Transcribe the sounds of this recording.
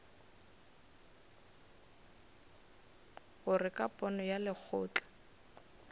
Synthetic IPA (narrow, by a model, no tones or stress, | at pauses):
ɣʊrɪkʼapʼɔnɔjalɪk͡xʰʊːt͡ɬḁ